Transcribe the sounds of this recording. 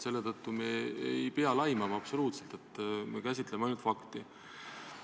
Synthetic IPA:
se̞lːe̞t̪ɤt̪ːumeeejpeɑlɑjmɑmɑɑb̥so̞luːt̪se̞lt̪e̞t̪ːmekæs̬ʲit̪ˑlemɑjnult̪fɑkt̪i

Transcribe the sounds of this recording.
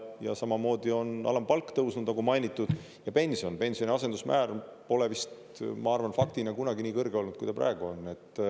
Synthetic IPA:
jɑsɑmɑmo̞ːd̪̥io̞nɑ̰lɑmpɑlkːt̪ɤwsnud̪̥nɑɡumɑjnʲit̪ːˑud̪̥ | jɑpe̞nʲsio̞npe̞nsio̞nʲiɑse̞nd̪usmʔæːrpo̞le̞vist̪ | mɑɑrvɑnfɑk̚t̪inɑkunɑɡiniːkɤrɡeo̞lnud̥̪kujd̪ɑpræ̰eɡ̥uo̞nːe̞t̪ːˑ

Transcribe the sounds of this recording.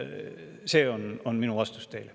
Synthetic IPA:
seːononminuɑst̪u̥st̪e̞ile

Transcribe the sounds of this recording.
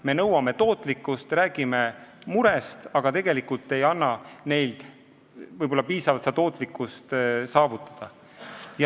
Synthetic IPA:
me̞nɤwɑme̞t̪o̞ːt̪ːˑlikːˑust̪ræːɡ̥ime̞muɾest̪ɑɡ̥ɑt̪e̞ɡ̥e̞likult̪ːˑe̞jɑnːɑne̞jld̪̥ | vɤjbo̞lːɑpiːsɑvɑt̪seɑt̪o̞ːt̪ˑlikːˑust̪sɑːvut̪ːˑɑ̥d̪̥ɑ | j

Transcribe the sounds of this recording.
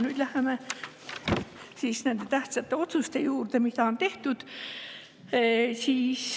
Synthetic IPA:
nyːd̪̥læheme | siːsnend̪̥e̞t̪æht̪sɑt̪ːe̞o̞t̪sust̪e̞juːrt̪emiθɑont̪e̞ht̪ud̪̥ | siːs

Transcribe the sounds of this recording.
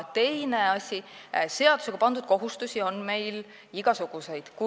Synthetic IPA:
t̪e̞jneɑsʲise̞ɑd̪̥u̥se̞ɡ̥ɑpɑnd̪ud̪̥̚ko̞ɦust̪usʲio̞nme̞jl | iɡ̥ɑsuɡ̥use̞jd̪̥ku

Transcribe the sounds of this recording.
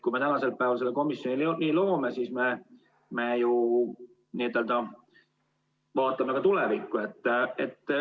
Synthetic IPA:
kujme̞t̪ænɑse̞lpæˑeːvɑlse̞lːeko̞misjo̞nʲilniːlo̞ːmesiːsme̞ | meju | niet̪ːˑeld̪ɑ | vɑːt̪ːˑɑmekɑt̪ulevikːue̞t̪ːet̪ːˑ

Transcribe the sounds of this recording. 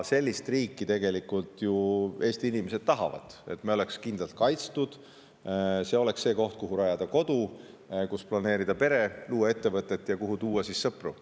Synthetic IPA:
se̞lʲːist̪riːkˑːit̪e̞ɡe̞likˑult̪jue̞ːst̪iinimese̞d̪̥t̪ɑɦɑvɑ̰d̪̥e̞̰t̪meo̞le̞kskind̪lɑlt̪̚kɑjt̪st̪ud̪̥ | se̞ːo̞le̞ksːe̞ːko̞ht̪̚kuɦuɾɑjɑd̪̥ɑko̞d̪̥u | kusplɑneːɾid̪ɑpe̞ɾe̞luːɑe̞t̪ːe̞vɤt̪ːˑe̞t̪ːˑjɑkuɦut̪uːwɑsisːɤpru

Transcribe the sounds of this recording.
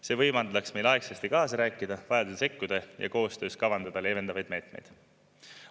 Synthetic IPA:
se̞ːvɤjmɑnd̪̥lɑksme̞jlɑeksest̪ikɑːsɑɾæːkːˑid̪̥ɑvɑjɑd̪ud̪se̞kːud̪̥ɑjɑ̰ko̞ːst̪ø̞ːskɑvɑnd̪̥ɑd̪̥ɑle̞ːve̞nd̪ɑvɑjd̪̥̚me̞ːt̪me̞̰jd̪̥

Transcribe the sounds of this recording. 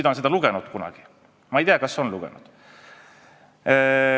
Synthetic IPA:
it̪ɑonsed̪̥ɑluɡ̥ɛnud̪̥kunɑ̰ɡ̥i | mɑejt̪eɑkɑsːo̞nluɡ̥ɛ̰nṵd̪̥

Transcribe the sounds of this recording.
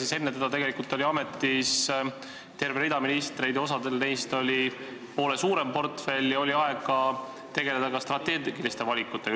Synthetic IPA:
sise̞nːet̪ed̪̥ɑt̪e̞ɡe̞likult̪ːˑo̞lʲiɑme̞t̪ːˑis | t̪e̞rveɾid̪ɑminist̪ɾe̞jd̪jo̞sɑd̪elnejst̪o̞lʲi | po̞ːle̞suːɾe̞mpo̞rt̪fe̞lʲːjɑo̞lʲiɑeɡɑ | t̪e̞ɡe̞le̞d̪̥ɑkɑst̪rɑt̪ːeːɡɡ̥ilist̪e̞vɑlʲikːˑut̪ːˑe̞

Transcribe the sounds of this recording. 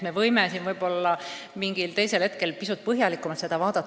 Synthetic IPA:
me̞vɤjmesinvɤjbo̞lːɑmiŋɡ̥ilt̪e̞jse̞lhe̞t̪ke̞lpisut̪̚pɤɦjɑlikːˑumɑt̪se̞d̪̥ɑvɑːd̪̥ɑt̪ː

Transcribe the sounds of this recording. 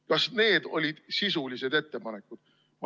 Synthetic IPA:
kɑsne̞ːd̪̥o̞̰lʲid̪̥sisulise̞d̪̥e̞t̪ːe̞pɑne̞kːˑud̪̥ | m

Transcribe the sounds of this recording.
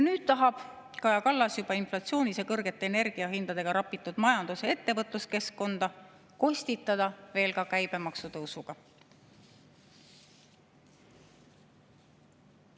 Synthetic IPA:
nyːd̪̥t̪ɑɦɑb̥ | kɑjɑkɑlːɑsjub̥ɑinflɑt̪sio̞ːnisjɑkɤrɡ̥e̞t̪ːˑeːne̞rɡ̥iɑɦind̪̥ɑd̪̥e̞ɡ̥ɑɾɑpːˑit̪ːˑud̪̥mɑjɑnd̪̥use̞e̞t̪ːe̞vɤt̪ːˑluske̞skkːo̞nd̪̥ɑ | ko̞sʲt̪it̪ːˑɑd̪̥ɑve̞ːlkɑkæjb̥e̞mɑksut̪ɤwsuɡ̥ɑ

